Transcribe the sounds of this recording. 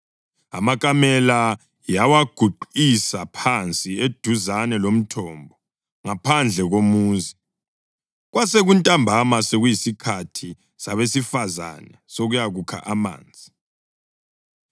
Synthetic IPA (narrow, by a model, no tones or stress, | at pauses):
a̰makʼamɛla | jawaɡ̥ʱuǃisapʰant͡sʼied̥ʱuzanɛlom̩tʰɔmbʱɔ | ŋapʰand͡ɮʱɛɣomuːzi | ɣwaseɣuntʼambʱamaseɣujisikʰatʰi | saβesifaza̰nɛsoɣujaɣukʰa̰ʔama̰ːnd͡zʱi